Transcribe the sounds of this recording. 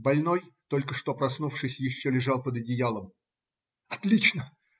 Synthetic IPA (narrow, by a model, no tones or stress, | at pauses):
bɐlʲno̞jt̪o̞lʲkəʂt̪o̞pɾɐsnufʂɨsʲjɪɕːolʲɪʐɑlˠpəd̪ɐdʲɪjalˠəm | ɐt̪lʲit͡ɕnə